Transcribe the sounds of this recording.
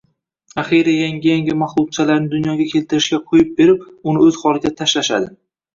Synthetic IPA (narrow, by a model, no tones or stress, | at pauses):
aχiɾajaŋʲɪjaŋʲɪmaχlˠʊq̚t͡ʃʰalaɾnɪd̪ʊnjɒɡʲakʲʰe̞lt̪ɪɾɪʃkʲaqʰojɪp̚beɾɪp̚ʊnɪɵz̥χɒlɪɡʲat̪ʰaʃlaʃa̰d̪ɪ